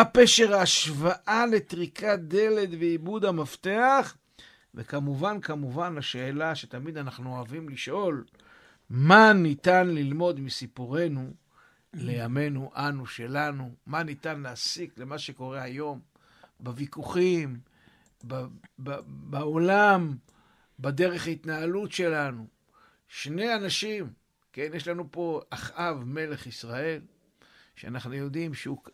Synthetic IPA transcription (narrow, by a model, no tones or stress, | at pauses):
apeʃeʁaːʃvaʔale̞t̪ʁikad̪ele̞d̪veibud̪amaft̪eaχ | vekamuvankamuvanaʃe̞ːlaʃet̪amid̪anaχnuoavimliʃʔo̞l | manit̪anlilmo̞d̪misipuʁe̞nu | le̞jame̞nuʔanuʃe̞lanumanit̪anleasikle̞maʃeko̞ʁe̞ajo̞m | bevikuχim | babbaolam | bad̪e̞ʁeχhait̪naalutʃe̞lanu | ʃnejanaʃim | kenjeʃlanupo̞aχʔavme̞le̞χisʁae̞l | ʃea̰naχnujo̞d̪imʃeuk